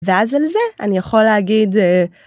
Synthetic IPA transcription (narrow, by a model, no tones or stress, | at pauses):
veazalzeanijaχo̞leaɡid̪e